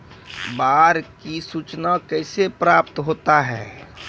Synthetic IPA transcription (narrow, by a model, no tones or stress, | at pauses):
baːɾkisut͡ʃnakɛɪsepɾaːp̚t̪ɦoːt̪aɦɛː